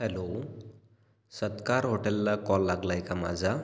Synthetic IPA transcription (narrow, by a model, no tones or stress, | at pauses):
elo | sʌt̪kaɾɦoʈelːakɔlːaɡlajkama̰d͡za